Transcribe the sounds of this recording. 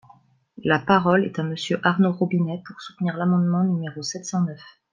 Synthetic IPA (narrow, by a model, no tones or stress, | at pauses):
lapaʁɔlɛt̪aməsjøʔaʁnoʁobinɛpuʁsu̥t̪niʁlamɑ̃d̪mɑ̃nymeʁosɛt̪sɑ̃nœf